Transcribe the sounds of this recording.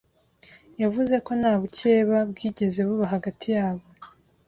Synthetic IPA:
javuze̞ko̞naːβuce̞ːβabɡiːɟe̞ze̞βuβaɦaɡatʰijaːβo

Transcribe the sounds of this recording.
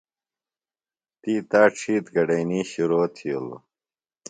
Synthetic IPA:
t̪iːt̪aːʈ͡ʂʰiːt̪ɡɐɖɐjniːɕiɾoːt̪ʰio̰lo̰

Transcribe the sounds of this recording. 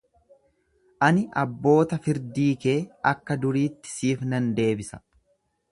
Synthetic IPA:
ʔɐnɪʔɐbːo̞ːt̪ɐfɪɾd̪iːkeːɐkːɐd̪ʊɾiːt̪ːɪ̥siːfnɐnd̪e̞ːbɪsɐ̥

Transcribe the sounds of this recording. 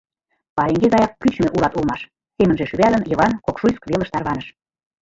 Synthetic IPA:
pɑɾeŋɡezɑjɑkːyt͡ɕmeʔulɑt̪ulmɑʃ | semənʒeʃyβælə̆njɤ̆βɑnkokʃujskβelə̆ʃt̪ɑrβɑnəʃ

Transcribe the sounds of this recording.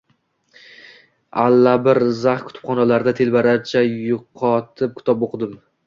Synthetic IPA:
alːabɪɾzaχkʲʰʊ̥t̪ʰɪ̥pχɒnalaɾd̪at̪ʰe̞lbaɾaɾt͡ʃʰajʊqʰɒt̪ʰɪp̚kʰʲɪ̥t̪ʰɒpoqʰɨd̪ɪm

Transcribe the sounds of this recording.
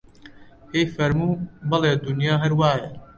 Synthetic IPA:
heːjfɐɾmuːbɐleːd̪unjaːɦɐɾwaːje

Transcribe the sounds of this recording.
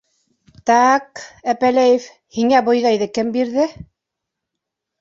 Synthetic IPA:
t̪ɑqæpælæjɘf | hiŋæbŏjðɑjðɤkɘmbiɾðɘ

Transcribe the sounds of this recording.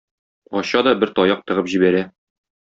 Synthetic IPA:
ɒɕɑd̪ɒbɘɾt̪ɒjɑq̚t̪ɤ̆ʁɤpʑibæɾæ

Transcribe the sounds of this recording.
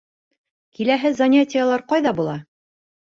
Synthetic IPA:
kilæɦɘzɐnʲatʲɪjalˠɑɾqɑjðɑbulˠɑ

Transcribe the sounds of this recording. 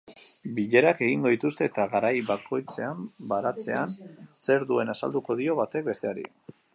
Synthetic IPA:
biʎe̞ɾake̞ɣiŋɡo̞ðit̪ust̪e̞ːt̪aɣaɾajβakʰo̞jt͡se̞ambaɾat͡se̞anse̞ɾðue̞nasa̰ld̪uko̞ðio̞βat̪e̞k̚be̞st̪e̞aɾḭ

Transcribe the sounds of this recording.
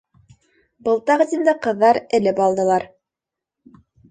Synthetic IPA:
bɤ̆lˠt̪ɑʁɤ̆t̪ind̪ɑqɤ̆ðːɑɾɘ̆lɘpɑlˠd̪ɤ̆lˠɑɾ

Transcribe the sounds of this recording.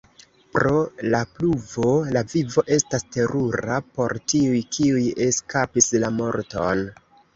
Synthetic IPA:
pɾo̞lapluvo̞lavivo̞ʔe̞staste̞ɾuɾapo̞ɾtiujkʰiuje̞skapislamo̞ɾto̞̰n

